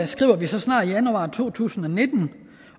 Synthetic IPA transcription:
sɡ̥ʁḭːʊɐʋisɒ̽snɑ̰̈ːdijænuɑ̈ːt͡sʰo̝̰ːt͡sʰṵːsn̩ɒ̽ne̝d̥n̩

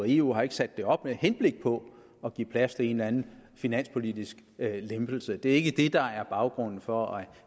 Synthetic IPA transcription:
iṵɦɑ̈e̝ɡ̥ə̥sæd̥ːe̝ɒ̽b̥mehenb̥le̝ɡ̥̚pʰɒ̽ | ɒɡ̥ḭːpʰlæst͡sʰe̝e̝nænn̩finæn̰spʰo̝lid̥isɡ̥lemb̥l̩səd̥e̝æɐe̝ɡ̥əd̥e̝d̥ɑ̈æɐb̥ɑ̈ʊɡ̥ʁɔ̽n̰n̩fɒ̽æ

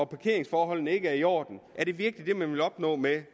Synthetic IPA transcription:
ɒpʰɑ̈kʰe̝ɐ̰e̝ŋsfɒːɦɒ̽l̰nəe̝ɡ̥əæɐiɒ̰ːd̥n̩ʔæɐɾ̥e̝ʋiɐɡ̥əlid̥e̝mænʋe̝lɒ̽b̥nɔ̰ːme

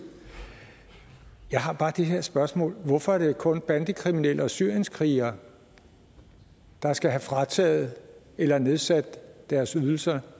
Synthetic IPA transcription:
jɑ̈ɪɦɑ̈b̥ɑ̈ːd̥eɦe̝ɐ̰sb̥ɶɐsmɔ̰̽ːlʋɔfɒ̽æɐd̥e̝kʰɔ̽nb̥ænd̥ikʰʁiminel̰əɒ̽syɐ̰jənskʰʁiːɐ | d̥ɑ̈sɡ̥æɦæfʁɑ̈t͡sʰɛ̰ːð̩ˠ | elɐne̝ð̞ˠsæd̥ːæɐsyðˠl̩sɐ

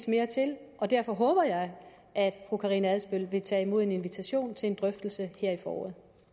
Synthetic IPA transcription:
sme̝ːɐt͡sʰe̝l | ʔɒ̽d̥æɐfɒ̽ɦɔ̽ːb̥ɐjɑ̈ɪ | ʔæd̥fʁukʰɑʁinəæðˠsb̥øl̰ʋe̝t͡sʰɛ̰ːimo̝ðˠe̝ne̝nʋit͡sʰæɕo̝̰ːnt͡sʰe̝e̝nd̥ʁœfd̥l̩səheɐ̰ifɒːɒ̰ːð̩ˠ

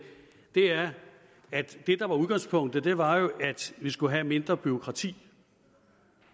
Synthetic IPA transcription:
d̥e̝æɐ | æd̥ːe̝d̥ɑ̈ʋɑ̈uð̞ˠɡ̥ɑ̈ŋspʰɔ̽ŋ̰d̥əd̥e̝ʋɑ̈jo̝ʔæd̥ʋisɡ̥uɦæme̝nd̥ʁɐb̥yo̝kʰʁɑ̈t͡sʰḭː

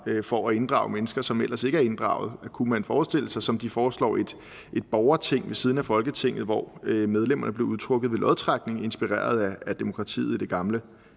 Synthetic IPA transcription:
fɒæe̝nd̥ʁɑ̈ʊmenəsɡ̥ɐsɒ̽mel̰ʔɐse̝ɡ̥əæɐe̝nd̥ʁɑ̰̈ʊð̞̩ˠkʰumænfɒːsd̥e̝l̰əsɑ̈ɪsɒ̽md̥ifɒːslɒ̰ːe̝d̥ | ʔe̝d̥̚b̥ɒʊɐt͡sʰe̝ŋ̰ʋe̝sið̞ˠnæfɒ̽lɡ̥ət͡sʰe̝ŋ̰ð̩ˠʋɒ̰ømeð̞ˠlem̰ɐnəble̝ʊuðˠt͡sʰʁɔ̽ɡ̥ðˠʋe̝lʔɒð̞ˠt͡sʰʁaɡ̥ne̝ŋe̝nsb̥iʁḛːɐð̞ˠææd̥e̝mo̝kʰʁɑ̈t͡sʰḭːð̩ˠid̥e̝ɡ̥ɑ̈mlə

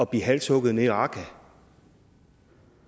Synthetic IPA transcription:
ɒ̽b̥iɦælsʰɔɡ̥ð̩ˠne̝ɑ̈ːkʰæ

